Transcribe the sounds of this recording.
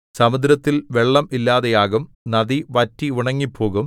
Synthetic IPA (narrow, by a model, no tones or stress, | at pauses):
sɐmud̪ɾɐt̪ːilʋe̞ɭːɐmilːaːðejaːɣum | nɐðiʋɐtːiuɳɐŋːipʰːo̞ːɣum